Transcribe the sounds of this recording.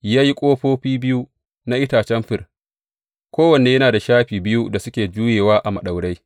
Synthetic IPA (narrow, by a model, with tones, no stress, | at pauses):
jaː˦ji˦kʷʼoː˦ɸoː˦ɸiː˦bɪ˦ju˦ | na˦ʔɪ˦taː˨t͡ʃɛ˦mɸɪ˨r | kʷoː˦wɐ˨neː˨jɐ˦naː˨da˨ʃaː˦ɸiː˨bɪ˦ju˦da˨sʊ˦kʲeː˨d͡ʒuː˦jeː˨waː˦ʔa˨mɐ˨ɗa˨wɽa˦j